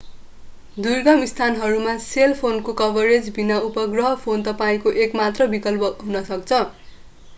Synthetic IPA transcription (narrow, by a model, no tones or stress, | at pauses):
d̪urɡʌmist̪ʰanɦʌɾumaselpʰonkokʌbʱʌɾed͡zbinaupʌɡrʌɦʌpʰont̪ʌpaĩkoʔekmat̪rʌbikʌlpʌɦunʌsʌk̚t͡sʰʌ